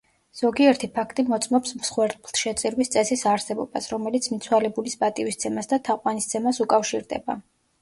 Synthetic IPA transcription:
z̥ɔɡiɛɾt̪ʰipʰakʰt̪ʼimɔt̪sʼmɔpsmsχwɛɾt̪̚ʼblˠt̪ʰʃɛt̪sʼiɾwist̪sʼɛsisaɾsɛbɔbasɾɔmɛlit̪sʰmit̪sʰwalɛbulispʼat̪ʼivist̪sʰɛmasd̪at̪ʰaqʼwanist̪sʰɛmasukʼafʃiɾd̪ɛ̰ba̰

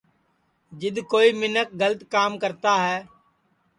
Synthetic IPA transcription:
d͡ʒɪd̪koːiːmɪnək̚ɡələt̪kaːmkəɾt̪aːɦɛː

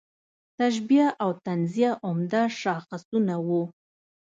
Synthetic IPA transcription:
t̪aʃ̬bjaʔawt̪anzijaʔʊmd̪aʃɑxasunawu

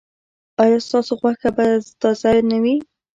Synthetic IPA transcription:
ɑjɑst̪ɑsoɣwaxkabazd̪ɑzajnawi

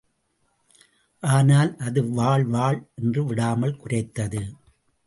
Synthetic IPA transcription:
ʔaːnaːlʔɐðɯʋaːɭʋaːɭʔɛndrɯʋɪɽaːmɐlkʊrɐɪt̪ːɐðɯ

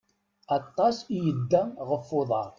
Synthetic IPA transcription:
ɑt̪ˤːɑsijəd̪ːæʁəfːʊðˤɑɾˤ

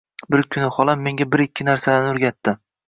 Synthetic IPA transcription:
bɪɾkʲʰʊnɪχɒlˠamːe̞ŋɡʲabɪɾɪkʲʰːɪnaɾsalanʊɾɡʲat̪ːɪ

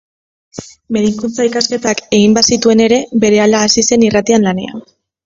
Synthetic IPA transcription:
be̞ɾiŋkunt͡saikaske̞t̪ake̞ɣimbasit̪ue̞ne̞ɾe̞be̞ɾe̞alaːsise̞nirat̪ianlane̞̰a̰n

